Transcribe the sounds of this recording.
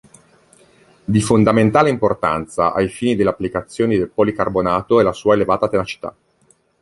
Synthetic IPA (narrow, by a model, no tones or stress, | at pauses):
d̪ifond̪ament̪aːleimport̪a̰nt̪sa̰ʔajfiːnid̪eleapːlikat̪sːjoːnid̪elpolikarbonaːt̪oɛlasuːaelevaːt̪at̪enat͡ʃi̥t̪a̰